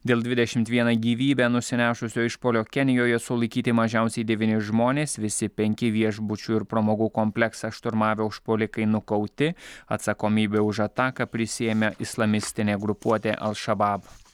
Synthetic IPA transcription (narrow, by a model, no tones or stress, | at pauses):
d̪ʲeːlˠd̪ʋʲɪd̪ʲɛʃʲɪmt̪ʋʲiɛnɑɡʲiːʋʲiːbʲæːnʊsʲɪnʲæːʃʊsʲoːɪʃpoːlʲoːkʲɛnʲɪjoːjɛsʊlˠɐɪkʲiːt̪ʲɪmɐʒʲæˑʊsʲɛɪd̪ʲɛʋʲiːnʲɪʒmoːnʲeːsʋʲɪsʲɪpʲɛŋʲkʲɪʋʲiɛʒbʊt͡ʃʲʊɪɾpɾɐmoːɡuːkɔmʲpʲlʲɛksɑʃt̪ʊɾmɑːʋʲɛʊʃpoːlʲɪkɐɪnʊkɐʊt̪ʲɪɐt̪sɐkoːmʲiːbʲeʊʃɐt̪ɑːkɐpʲɾʲɪsʲɪjɛmʲeʔɪslˠɐmʲɪsʲt̪ʲɪnʲeːɡɾʊpuɔt̪ʲeːʔɐ̰lˠʃɐbɑːb